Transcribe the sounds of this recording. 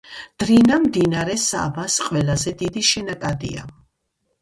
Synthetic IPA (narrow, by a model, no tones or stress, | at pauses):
d̪̥ɾinamd̪inaɾɛsa̰basqʼwɛlazɛd̪id̪iʃɛnakʼad̪ḭa̰